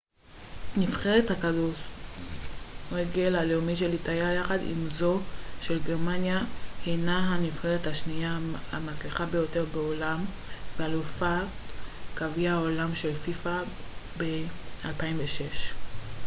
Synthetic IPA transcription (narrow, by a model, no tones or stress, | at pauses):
nifχeʁethakadu | ʁeɡelaleomiʃ̬elitajajaχadḭmzo̞ʃe̞lɡe̞ʁmanjahejnaɦanifχeʁethaʃniahamat͡sliχabe̞jo̞te̞ʁbeolam | vealufatkaviaolamʃe̞lfifabealpaimveʃeʃ